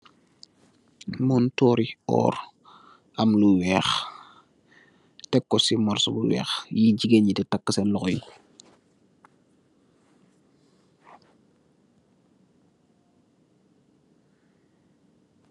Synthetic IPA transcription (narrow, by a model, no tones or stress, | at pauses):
muːntɔːɾiɔ̰ːɾ | ʔɐmluwɛːx | tɛkːɔsimɔɾsɔbuwɛ̰ːxjiɟiɡeɲititakːəsɛnlɔxɔji